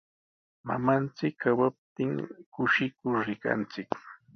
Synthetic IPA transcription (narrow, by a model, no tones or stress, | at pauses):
ma̰mant͡sɪkʰːawap̚t̪ɪŋkʊʃɪkʊɾɾɪka̰nt͡sɪk